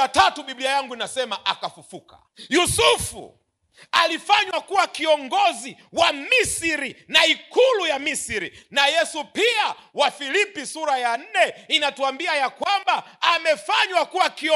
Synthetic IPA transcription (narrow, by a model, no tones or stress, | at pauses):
atatuɓiɓliajaŋɡuinasɛmaʔakafufukḁ | jusufṵ | alifaɲwakuwakiɔŋɡɔziwamisiɾinaikulujamisiɾḭnajɛsupiawafilipisuɾajan̩nɛinatuambiajakwambaːmɛfaɲwakuwakiɔ